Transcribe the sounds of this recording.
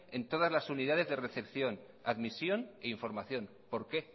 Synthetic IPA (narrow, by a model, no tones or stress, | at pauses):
e̞nt̪o̞ð̞azlasuniðaðe̞zðe̞re̞θe̞pθjo̞n | aðmisjo̞neiɱfo̞ɾmaθjo̞n | po̞ɾke̞